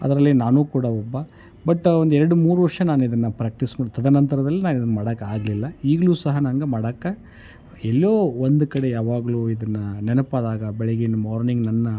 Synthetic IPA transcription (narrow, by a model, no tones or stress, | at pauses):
ɐ̰d̪ɐɾɐlːinaːnuːkuːɽɐɔbːɐ | bɐʈːond̪uɛɾɐɽumuːɾuʋɐɾʂɐnaːnuid̪ɐnːɐpɾaːk̚ʈismaːt̪ɐd̪ɐnɐnt̪ɐɾɐd̪ɐlːinaːnid̪ɐnːɐmaːɽɐkːɐaːɡɐlilːɐiːɡɐɭuːsɐɦɐnɐŋɡemaːɽɐkːɐ | ɛlːoːond̪ukɐɽe̞jaːʋaːɡɐluːid̪ɐnːɐnɛnɐpɐd̪aːɡɐbɛɭiɡenmaːɾniŋɡnɐnːɐ